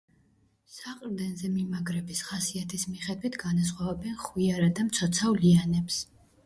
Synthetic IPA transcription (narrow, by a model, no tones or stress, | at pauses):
saqʼɾd̪ɛnzɛmimaɡɾɛbisχasiat̪ʰismiχɛd̪wit̪ʰɡanas̬χwavɛbɛnχwiaɾad̪amt̪sʰɔt̪sʰavlianɛps